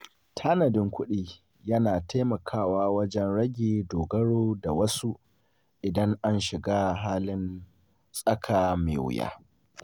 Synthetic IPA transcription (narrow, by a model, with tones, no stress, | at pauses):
tʰaː˦nɐ˨dɪ˦ŋkʷʊ˦ɗiː˨ | jɐ˦naː˨tʰa˦jmɐ˨kʰaː˦˨waː˦wɐ˦d͡ʒɛ˦nɽɐ˦ɡʲeː˨doː˨ɡɐ˦ɽoː˦da˨wɐ˦su˦ | ʔɪ˨dɐ˦ŋʔa˦nʃɪ˨ɡaː˦ɦaː˦lɪ˦n | sʼɐ˦kʰaː˨mḛː˨wʊ̰˨ja̰ː˦